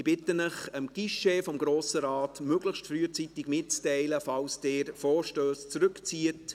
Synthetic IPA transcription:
ɪb̥ɪtənəχəmɡ̥iʃefɔmɡɾoːsəɾɑːtmøɡ̥ləxʃtfɾyːət͡sitɪɡmɪt̚t͡stɛɪləfɑlsd̥eːɾfɔːɾʃtøːst͡sɾɵkt͡siət

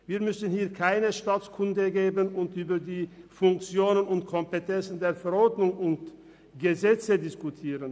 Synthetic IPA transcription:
viːɐmʏsən̩hiːɐkʰaɪnəʃtaːt͡skʰʊndəɡeːbənʊntʔyːbɐdiːfʊŋk̚t͡sjoːnənʊntkʰɔmpetʰɛnt͡sn̩deːɐfɛʁɔʁdnʊŋʊnt | ɡ̥əzɛt͡sədɪskutʰiːʁən

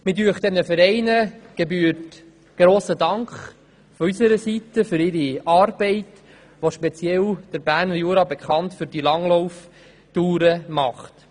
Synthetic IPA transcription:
mɪdyəχt̪ɛnəfəɾɛɪnəɡ̥ebyːərt | ɡ̥ɾoːsədɑŋkχ | fɔysəɾəsitːəfʏɾɪɾiɑːrb̥ɛɪt | ʋoʃpɛt͡sjɛld̥əɾbæːrnjuːɾɑbɛkχɑntfʏɾd̥ilɑŋlɔwf | tuːɾəmɑχt

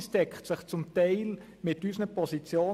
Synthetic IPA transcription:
stɛkχtsɪχt͡sʊmtɛɪl | mɪtysnəpɔsit͡sjoː

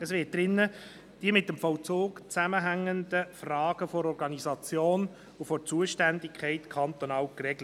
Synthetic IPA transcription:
əsʋɪt̚d̥̪ɾɪnːə | d̥iəmɪt̚ːəmfɔwt͡soːɡt͡sæməɦæŋːənd̪əfrɑːɡəfɔɾɔɾɡɑnizɑt͡sjoːn | ufɔrt͡suəʃtændikʰχɛɪtkʰɑnt̪onɑːlkrɛɡlə

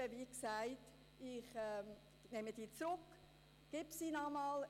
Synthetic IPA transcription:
əʋiksæɪt | ɪχɛ | nɛməd̥iːt͡sɾʊk | ɡ̥ɪbsinɑmɑl

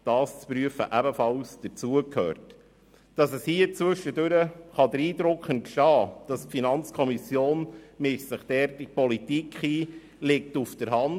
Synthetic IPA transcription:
d̥ɑːst͡spɾyəfə̰ʔæbəfɑlsd̥əɾt͡suəkʰhœ̰ːɾt | d̥ɑsəshiət͡sʋɵʃːədøɾəχɑdəɾiːdɾʊkχən̚kʃɑːd̥ɑstfinɑnt͡skʰɔmisjoːnmɪʃsəχd̥ɛːɾtipɔlitikχiː | lɪk̚tufd̥əɾɦɑn

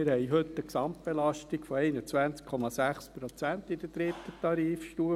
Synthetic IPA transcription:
ɪɾhɛɪɦɵt̪ːəksɑmt̚b̥elɑʃtikfɔɛɪnət͡sʋænt͡skʰɔmɑsæχspɾɔt͡sænt̪id̥əd̥ɾɪt̪ːət̪ɑɾiːfʃtuːə

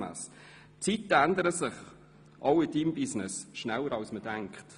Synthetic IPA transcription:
æ̰ːs | t͡sitːəænd̪əɾəsɪχ | ʔɑwɪdiːmbisnɪsʃnæləɾɑwsmədæŋkχt

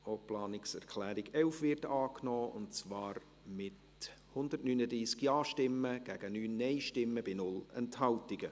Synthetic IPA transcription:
oːplɑːnɪksɛɾkʰlɛːɾɪɡɛlfvɪrtɑːknɔːʊ̰ntt͡svɑːɾ | mɪt | hʊndərtnyːnədɾiːskjɑːʃtɪmːəɡ̥æːɡ̥ənyːnːɛɪʃtɪmːəb̥ɪnʊlɛnthɑltɪɡ̥ə

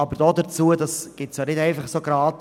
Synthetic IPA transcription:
ɑbəɾd̥ɔːdət͡suədɑsɡ̥ɪtsjanɪdɛɪfɑχsoɡɾɑːt

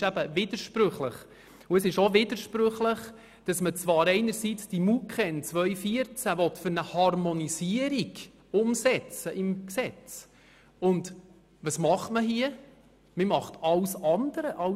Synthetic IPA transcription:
ʃæb̥əʋɪdəɾʃpɾɵχləχ | ʊəsɪʃoʋɪdəɾʃpɾøχləχ | d̥ɑsmət͡sʋɑːɾɛɪnəɾsit͡sd̥imukχɛnt͡sʋœʏfiəɾt͡sæʋɔtfʏɾnəhɑrmɔnisiəɾiɡ | ʊmsɛt͡səʔɪmksɛt͡s | ʊnd | ʋɑsmɑχtməɦiə | mɪmɑχtɑwsɑnd̥̪əɾəʔɑ

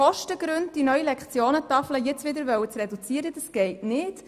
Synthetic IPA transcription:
ɔʃtəɡɾʏnd̚d̥inœʏɥilɛkχt͡sjoːnət̪ɑfləjɛt͡sʋɪd̪əɾʋœwət͡srɛdut͡siːəɾəd̥ɑsɡ̥ɛɪtnɪt

